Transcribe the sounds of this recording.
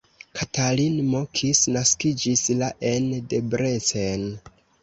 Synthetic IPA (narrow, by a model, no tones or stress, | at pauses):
kʰatalinmokʰisnaskid͡ʒislaʔende̞bɾe̞t͡sen